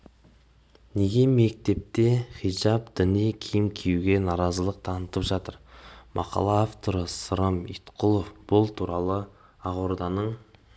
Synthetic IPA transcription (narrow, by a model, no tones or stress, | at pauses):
ne̞ɡʲe̞me̞k̚t̪e̞p̚t̪e̞χijʒɑpd̪̥ʏnijkʲʰijɪmkʲʰejuɡʲe̞nɑɾɑzəlˠəq̚t̪ʰɑnət̪əpʒɑt̪əɾmʔɑ̰qɑ̰lˠɑːft̪o̞ɾəsəɾəmit̪qʰʊlˠofb̥ʊlˠt̪ʰuɾɑlˠə | ɑʁoɾd̪ɑnəɴ